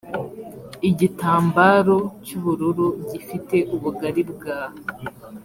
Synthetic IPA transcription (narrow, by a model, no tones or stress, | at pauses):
iɟitaːmbaːɾo̞cuβuɾuɾuɟifite̞ʔuβuɡaɾibɡaːho